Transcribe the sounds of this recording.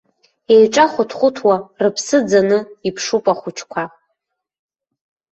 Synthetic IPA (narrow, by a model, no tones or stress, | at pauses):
e̞jʈ͡ʂʼaχʷʊtʰχʷʊtʰwarɨpʰsɨd͡zanɨipʰʂupʷʼaχʷʊt͡ʃʰkʷʰa